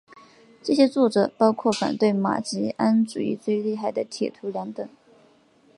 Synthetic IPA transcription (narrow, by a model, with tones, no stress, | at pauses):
ʈ͡ʂɤ˥˩ɕjɛ˥t͡swɔ˥˩ʈ͡ʂɤ˨˩pɑ˥ʊkʰwɔ˥˩fa̰˨˩nt̪we˥˩ɪma̰˨˩t͡ɕi˧˥a˥nʈ͡ʂu˨˩ḭ˥˧t͡swe˥˧ɪli˥˧xa˥˩ɪd̪ə˩t̪ʰjɛ̰˨˩t̪ʰu˧˥ljɑ˧˥ŋt̪ə˨˩˦ŋ